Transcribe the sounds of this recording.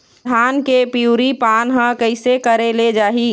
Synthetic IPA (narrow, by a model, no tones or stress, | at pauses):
ankepiuɾipanɦə̃kəɪsekəɾeled͡ʒaːɦi